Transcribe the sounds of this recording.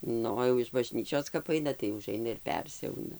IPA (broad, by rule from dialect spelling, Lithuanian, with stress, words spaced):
ˈnʊ oː jɛʊ ɪʃ bɐˈʒʲnʲiːt͡ʃʲoːs kɐp ˈɐɪnɐ tɐɪ ʊˈʒɐɪnɐ ɪr ˈpʲɛrʲsʲɛʊnɐ